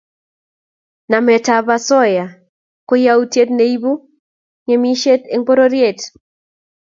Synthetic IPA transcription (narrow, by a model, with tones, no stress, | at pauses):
na˨mɛ˨ta˨ba˦sɔ˦ja˨ | ko˦ja˦u˦tje˦tne˦i˦bu˦ | ŋe˨mi˦ʃe˦te˦ŋbo˦ɾo˦ɾje˦˨t